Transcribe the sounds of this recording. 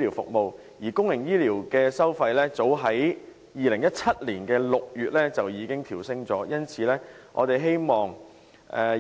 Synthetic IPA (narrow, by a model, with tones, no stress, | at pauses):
liː˨˩wfʊ̰˨k̚mo˨˧w | jiː˨˩kʊ˥ŋjɪ˨˩ŋjiː˥liː˨˩wkɛː˧sɐ˥wfɐ˧jlɛː˥t͡so˨˥wɦɐ˨˥j | jiː˨lɪ˨˩ŋjɐ˥t̚t͡sʰɐ˥t̚liː˨˩nkɛː˧lʊ˨k̚jyː˨t̚lɛː˥t͡sɐ˨wjiː˨˧˥kɪ˥ŋt̪ʰiː˨˩wsɪ˧ŋt͡sɔː˨˥jɐ˥nt͡sʰiː˨lɛː˥ʔɔ̰ː˨˧t̪e˨˩jɦe˥jmɔː˨˩ŋ | ɛː˨